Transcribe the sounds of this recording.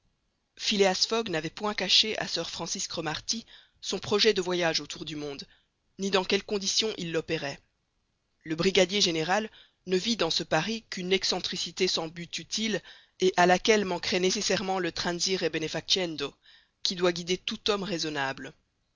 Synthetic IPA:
fileasfɔɡnavɛpwɛ̃kaʃeʔa̰sœʁfχɑ̃siskχɔmaʁt̪i | sɔ̃pχɔʒɛd̪əvwajaʒot̪ʰuʁd̪ymɔ̃d̪ | nid̪ɑ̃kʲɛlkɔ̃d̪isjɔ̃ʔilːɔpeʁɛ | ləbʁiɡad̪jeʒeneʁal | nəvid̪ɑ̃səpaʁikʲynɛksɑ̃t̪χisit̪esɑ̃byt̪yt̪ʰil | eʔalakʲɛlmɑ̃kχɛnesesɛʁmɑ̃lət̪χɛ̃nziʁebenefak̚t͡ʃɛnd̪o | kʲid̪waɡʲid̪et̪ut̪ɔmʁezɔnabl

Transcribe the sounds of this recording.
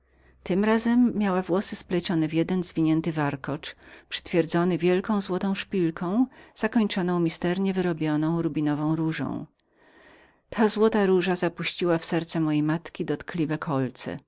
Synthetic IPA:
t̪ɘmɾazɛmːʲjawavwɔsɘsplɛt͡ɕɔnɛvʲjɛd̪ɛnzvʲiɲɛnt̪ɘvaɾkɔt͡ʂpʂɘ̥t̪fʲjɛɾd̪zɔnɘvʲjɛlkɔ̃w̃zwɔt̪ɔ̃w̃ʂpʲilkʰɔ̃w̃z̥akɔɲt͡ʂɔnɔ̃w̃mʲist̪ɛɾɲɛvɘɾɔbʲjɔnɔ̃w̃ɾubʲinɔvɔ̃w̃ɾuʐɔ̰̃w̃ | t̪ʰazwɔt̪aɾuʐazapuɕt͡ɕiwafsɛɾt̪sɛmɔjejmat̪kʲid̪ɔt̪klʲivɛkʰɔlt̪sɛ̰

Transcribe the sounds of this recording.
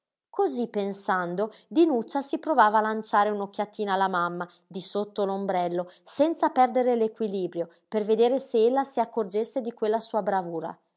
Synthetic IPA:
kozipːensand̪od̪inut͡ʃːasipɾovaːvaːlant͡ʃaːɾeunokʲːjat̪ːiːnalːamamːa | d̪isot̪ːolombɾɛlːosɛnt̪sapɛrd̪eɾelekwiliːbɾjo | perved̪eːɾeseelːasiakːord͡ʒesːed̪ikwelːasuːabɾavuːɾa̰

